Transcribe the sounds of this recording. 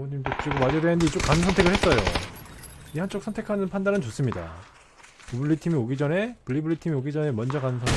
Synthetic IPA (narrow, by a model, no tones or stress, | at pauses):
ŋʌnimt͡ɕot͡ɕiɡomad͡ʑodenɯndet͡ɕokkanɯnsʰʌntʰe̞ɡɯɭhe̞t̚s͈ʌjo | ihant͡ɕ͈oks͈ʰʌntʰe̞kʰanɯnpʰandanɯnt͡ɕos͈ɯmɲida̰ | ibɯɭːitʰimioɡid͡ʑʌne̞pɯʎːibɯɭːitʰimioɡid͡ʑʌne̞mʌnd͡ʑʌkanɯnsʰʌe